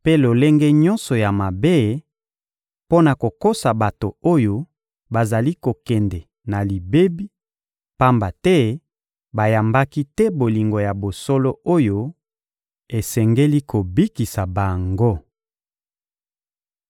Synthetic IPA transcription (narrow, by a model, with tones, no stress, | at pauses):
pe˦lo˨le˦ŋɡɛ˦ɲɔ˦nsɔ˨ja˨ma˨be˦ | po˦na˨ko˨ko˦sa˨ba˨to˨o˦jo˦ | ba˨za˨li˦ko˨kɛ˨ndɛ˨ | na˨li˨be˦bi˦ | pa˦mba˨tɛ˦ | ba˨ja˨mba˦ki˦tɛ˦bo˨li˨ŋɡo˨ja˨bo˨so˦lo˦o˦jo˦ | e˨sɛ˨ŋɡe˦li˦ko˨bi˦ki˨sa˨ba˨ŋɡo˦